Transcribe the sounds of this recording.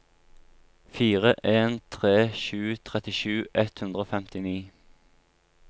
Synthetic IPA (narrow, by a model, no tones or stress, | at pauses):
fiːʁəʔeːnt̪ʰʁeːʃʉːt̪ʰʁɛt̪ɪʃʉːʔɛt̪hʉnd̪ʁəoːfɛmt̪ɪniː